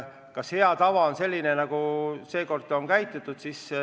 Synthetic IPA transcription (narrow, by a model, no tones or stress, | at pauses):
kɑshe̞ɑt̪ɑvɑonse̞lʲːinenɑɡ̥use̞ːko̞rd̪̥ˑo̞ŋkæjt̪ːˑet̪ːˑud̪̥sis